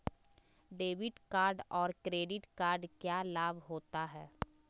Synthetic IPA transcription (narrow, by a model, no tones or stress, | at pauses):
ɖeːʋɪʈkaːɾɖɔːɾkɾeːɖɪʈkaːɾɖkjaːlaːbʱɦoːt̪aɦɛː